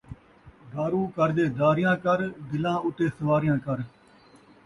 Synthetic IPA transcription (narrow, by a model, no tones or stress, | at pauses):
ɡaːɾũːkəɾd̪eːd̪aːɾɪjãːkəɾd̪ɪlãːʊt̪eːsəʋaːɾɪjãːkəɾ